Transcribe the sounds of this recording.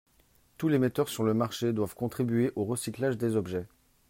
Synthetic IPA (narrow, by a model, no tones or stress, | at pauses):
t̪ulemet̪œʁsyʁləmaʁʃed̪wavkɔ̃t̪χibɥeʔoʁəsiklaʒd̪ezɔbʒɛ